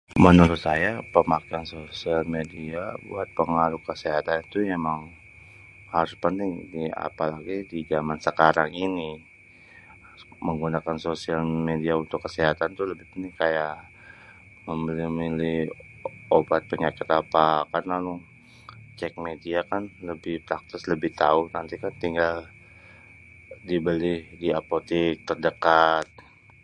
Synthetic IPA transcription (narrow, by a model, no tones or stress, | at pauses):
mənuɾʊt̪sajapəmakeansosialmediabṵat̪̚pəŋaɾʊkəseɦat̪anit̪uemaŋ | haɾʊspənt̪ɪŋdia̰palaɡidid͡ʒamansəkaɾaŋini | məŋɡunakansosialmediaunt̪ʊkːəseɦat̪ant̪uləbɪhpənt̪ɪŋkajaʔ | məmbəlɪhmilɪh | obat̪̚pəɲakɪt̪apakanlalʊŋ | t͡ʃɛk̚mediakanləbɪhpɾak̚t̪ɪsləbɪht̪a̰ʊnant̪ikant̪iŋɡal | dibəlɪhdiapot̪ɪk̚t̪ərdəkat̪̚